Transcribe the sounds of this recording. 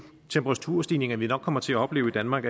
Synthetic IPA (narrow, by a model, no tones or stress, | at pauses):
t͡sʰemb̥ʰəʁɑ̈t͡sʰuɐsd̥iːne̝ŋɐʋinɒ̽ɡ̥̚ʰɒ̽m̰ɐt͡sʰe̝æɒ̽b̥le̝ːʊid̥ænmɑ̈ːɡ̥æ